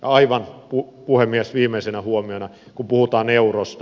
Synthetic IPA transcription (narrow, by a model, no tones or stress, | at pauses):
jɑɑiʋɑnpupuhemːiesʋiːmˑesenæhuomionɑ | kumpuhut̪ɑːneurost̪